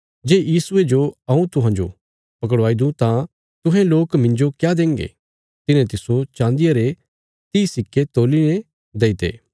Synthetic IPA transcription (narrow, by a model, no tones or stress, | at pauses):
d͡ʒeːjiːsʊed͡ʒoɐũt̪ʊɦãːd͡ʒo̰ | pɐk̬əɽʋaːid̪ũt̪ã | t̪ʊɦẽloːkmɪ̃nd͡ʒokjad̪ẽːŋɡḛ | t̪ɪnẽt̪ɪsot͡ʃãːnd̪ɪjaɾe | t̪iːsɪkːet̪oːline | d̪eːit̪ḛː